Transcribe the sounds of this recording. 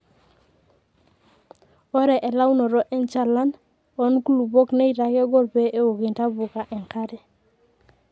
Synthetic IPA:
ɔ˦ɾɛ˨ʔe˨la˦wnɔ˨ɾɔ˦ʔɛ˦nt͡ʃa˦˨la˦n | ɔ˦nku˦lu˨bɔ˦kne˦i˨ɾa˨kɛ˦ɡɔ˦lpe˦ʔe˦wo˨ɡɪ˨nta˦bʊ˨ka˨ʔɛ˨ŋka˦ɾɛ˨

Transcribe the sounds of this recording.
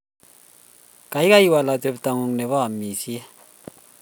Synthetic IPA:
ka˨i˦ka˦i˨wa˨la˨te˨pta˨ŋu˨ŋnɛ˨βɔ˦a˨mi˨si˦ɛ˦

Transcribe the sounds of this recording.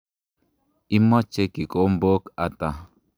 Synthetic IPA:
i˦mɔ˦t͡ʃe˦ki˨kʼo˦m˦bo˦ka˨t̪a˨

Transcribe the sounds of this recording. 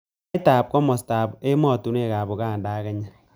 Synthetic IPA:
ta˨p̚kɔ˦mɔ˨sta˨be˦mɔ˦˨tu˨ne˦˨ka˨bo˨kaː˦˨ndaː˦kɛ˨˦ɲa˦˨

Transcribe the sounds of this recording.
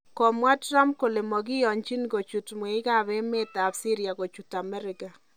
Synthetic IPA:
kɔ˨mwa˦tra˦mp̚ko˨le˨mɔ˨ɡɪ˦jɔ˨ɲt͡ʃi˦nɡo˨t͡ʃu˨tmwe˨ɪ˦ka˦˨βɛ˦me˦t̪a˨bsi˦ɾja˨ɣo˨t͡ʃu˨ta˨mɛ˦ɾɪ˦ka˨

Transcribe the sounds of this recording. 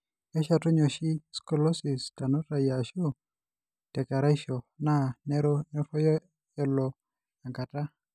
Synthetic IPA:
ɛ˦ʃa˨tɔ˦ɲɔ˨ʃi˦skɔ˨lɔ˦si˨sta˨no˦ta˨ja˨ʃo˦ | tɛ˨ka˨ɾa˦iʃɔ˨na˦nɛ˦ɾɔ˦nɛ˦fɔ˦jɔ˦ | ɛ˨lɔ˨ | ja˨ŋka˨ta˦

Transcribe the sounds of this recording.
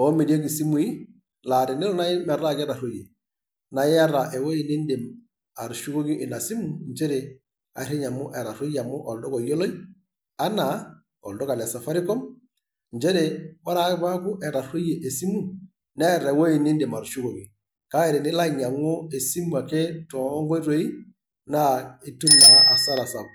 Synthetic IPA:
ɔ˨˦me˨di˦e˦ki˨si˦mu˨i˦ | la˨ɾi˨ni˦lɔ˦na˦ɪ˦mɛ˨ɾa˦kɛ˦ɾa˨ɾo˦je˨ | na˨ɪ˦a˦ɾa˨ʔe˨wo˦i˨ni˦ndi˨m | a˨ɾʃu˦ko˦ɡi˦ʔɪ˨na˨si˦mu˨ɲt͡ʃe˦ɾe˨ | a̰˨˦ɾe˦ɲa˨mʊ˦ʔɛ˨ɾa˨ɾo˦ja˨mʊ˦ʔɔ˨ldɔ˦kɔ˨jo˦lo˦j | a˦na˨ | o̰˨ldo˦ka˨la˨sa˨fa˦ɾi˦ko˦m | ɲd͡ʒe˦ɾewa˦ɾa˦ba˦ku˦ʔe˨ɾa˨ru˦je˨ʔe˨si˦mu˦ | ne˦ɾe˨wo˦ji˨ni˦ndi˨ma˨ɾʃu˦ɡo˨ɡi˨ | ka˦e˨ɾi˨ni˦la˦ɲa˨ŋo˦e˨si˦mu˨a˨ke˦to˨˦ŋɡo˦ɾo˦i˦ | na˦i˨tu˦mna˨a˨sa˦la˨sa˨k

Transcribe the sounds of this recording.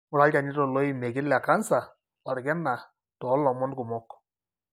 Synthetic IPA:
mʊ˨ɾa˦lka˨ni˦ɾɔ˨lɔ˦i˨me˨kɪ˦la˨ka˦nsa˨ | wa˨ɾɡɛ˦na˨ | tɔ˨˦lɔ˨mɔ˦nkʊ˨mɔ˦k

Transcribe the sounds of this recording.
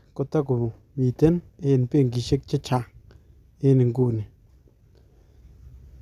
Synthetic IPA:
ko˧˨t̪a˦ku˨ | mi˨t̪e˦ne˧˨ni˨pe˦˨ŋɡi˨ʃe˦k̚t͡ʃe˦t͡ʃa˧˨ŋ | e˦ni˨ŋɡu˦˨ni˨

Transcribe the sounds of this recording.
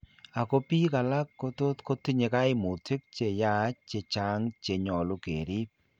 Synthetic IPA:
a˨ko˦pi˦ka˨la˦kːo˦to˦tko˦ti˦ɲe˧ka˦ɪ˦mu˨tɪ˦k̚t͡ʃe˨ja˦˨˦t͡ʃe˧t͡ʃa˦ŋt͡ʃe˨ɲɔ˨lu˦kḛ˨ɾi˦p̚

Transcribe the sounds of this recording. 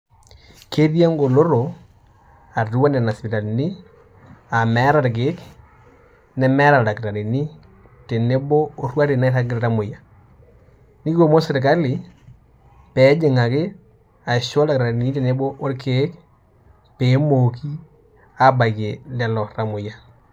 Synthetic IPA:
ke˦ɾja˦ŋɡo˨lo˦ɾo˨ | a˨du˦wa˦nɛ˨na˨spɪ˨ta˨lni˦ | a˨mɛ˨˦ɾa˨ɾk̬e˨˦k | nɛ˦mɛ˦ɾa˨la˨kɪ˨ɾa˨ɾi˨ni˦ | te˨ne˦bo˦o˦rwa˦ɾe˨na˦ɾa˦kɪ˦ɾɾa˦mo˨ja˨ | ni˦ko˦˨mo˦se˨ɾk̬a˦lɪ˨ | pɛ˨˦d͡ʒɪ˨ŋa˨kɪ˦ | a˨ʃɔ˦la˨kɾa˨ɾe˨ni˦te˨ne˦bo˦ʔo˦ɾkʰe˨˦k | pe˨˦mo˨ki˦ | a˨ba˨ke˨lɛ˦lɔ˨ɾa˦mʊ˨ja˦

